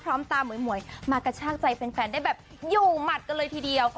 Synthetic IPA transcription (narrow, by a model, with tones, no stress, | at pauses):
pʰɾɔː˦˥mt̪aː˧mu˨˩˦jmu˨˩˦əjmaː˧ka˧˩t͡ɕʰaː˥˩k̚t͡ɕa˧jpe˧nfɛː˧nda˥˩jbɛː˨˩p̚ | juː˨˩ma˨˩t̪̚ka˧nlɤː˧jt̪ʰiː˧di˧əw